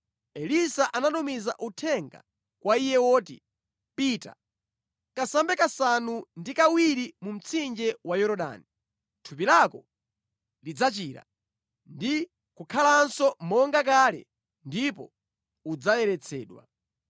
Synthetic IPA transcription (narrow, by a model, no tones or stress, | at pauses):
ɛlisaʔanatɔmiza̰ʔutʰɛŋɡa̰ | kwaijɛwɔːtḭ | piːta̰ | kasambɛkasanundikawiɾimum̩t͡sʰind͡ʒɛwajɔɾɔɗa̰ːni | tʰupilakɔ | lid͡zat͡ʃiːɾa̰ | ndi | kukʰalansɔmɔŋɡak̬aːlɛ̰ | ndipɔ̰ | ud͡zajɛɾɛt͡sʰɛːɗwa̰